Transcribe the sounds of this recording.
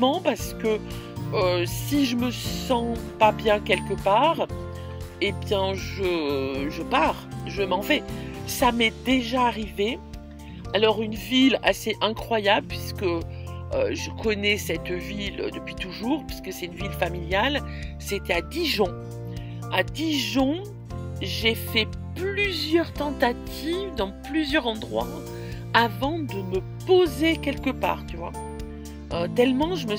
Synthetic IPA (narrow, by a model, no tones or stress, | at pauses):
mɑ̃paʁsə̥kə | øsiʒəməsɑ̃pabjɛ̃kʲɛlkəpaːʁ | ebjɛ̃ʒəʒəpaʁʒəmɑ̃vɛsamɛd̪eʒaːʁive | alɔʁynvila̰seʔɛ̃kχwajabləpɥisə̥kə | ø̰ʒəkʰɔnɛsɛt̪vilø̰d̪əpɥit̪uʒuːʁpɥiskəsɛt̪ynvilfamiljal | set̪ɛad̪iʒɔ̃ | ad̪iʒɔ̃ | ʒefɛ | plyzjœʁt̪ɑ̃t̪at̪ʰivd̪ɑ̃plyzjœʁɑ̃d̪ʁwa̰ | avɑ̃d̪əmə | pozekʲɛlkəpa̰ːʁt̪yvwa̰ | ʔøt̪ɛlmɑ̃ʒəmə